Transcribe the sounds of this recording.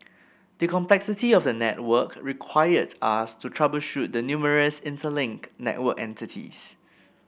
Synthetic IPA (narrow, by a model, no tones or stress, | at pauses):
dəkʰɔ̃mplɛksɪtiɔfdənɛ̰t̚wəkɹikʰwaɪədastutʰɹabəlʃut̚dənjuməɹəsɪ̃ntʰəlɪ̃ŋknɛ̰t̚wəkɛ̰̃ntitʰḭs